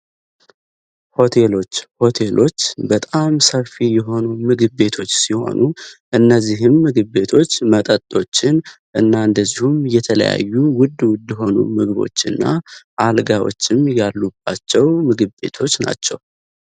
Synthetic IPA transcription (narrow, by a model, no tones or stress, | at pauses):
ho̞t̪ʰe̞lo̞t͡ʃːho̞t̪ʰe̞lʔo̞t͡ʃːbət̪ʼamsəfijɛɦo̞numɨɡɨβːe̞t̪ʰo̞t͡ʃːsiho̞̰nʔuʔɨnːəzːiɦɨmːɨɡɨβːe̞t̪ʰo̞t͡ʃːmət̪ʼət̪ʼːo̞t͡ʃːɪn | ʔɨnːaɨnd̪əzːihumjɛt̪ʰələ̰ja̰jːuwʊd̪ːwʊd̪ɛɦo̞nṵmɨɡβo̰t͡ʃːɨnːa̰ʔalɡawo̰t͡ʃːɪmjalːub̥at͡ʃːɛwmɨɡɨβːe̞t̪ʰo̞t͡ʃːna̰t͡ʃːɛw